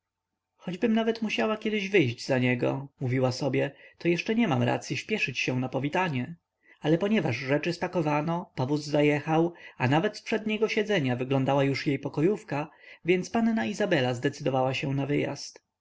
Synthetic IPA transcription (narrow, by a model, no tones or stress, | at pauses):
xɔd͡ʑbɘmnavɛt̪muɕawakʲjɛd̪ɪʑvɘjʑd͡ʑzaɲɛɡɔ̰muvʲiwasɔbʲjɛt̪ɔjɛʂt͡ʂɛɲɛmamɾa̰t̪sʲjiɕpʲjɛʂɘt͡ɕɕɛ̃napɔvʲit̪aɲɛ | alɛpɔɲɛvaʐʐɛt͡ʂɘspakɔvanɔpɔvuzzajɛxawanavɛt̪spʂɛd̪ɲɛɡɔɕɛd̪zɛɲavɘɡlɔnd̪awajuʂjejpɔkɔjufkavʲjɛnt̪spannaizabɛlazd̪ɛt̪sɘd̪ɔvawaɕɛ̃navɘja̰st̪